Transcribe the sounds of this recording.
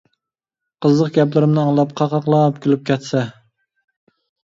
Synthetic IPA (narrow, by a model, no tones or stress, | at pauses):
qəzlˠəq̚ɡʲɛplˠɪɾɪmnɨɑŋlˠɑp̚qʰɑqɑqlˠɑpkʲʰylyp̚kʲʰɛt̪sɛ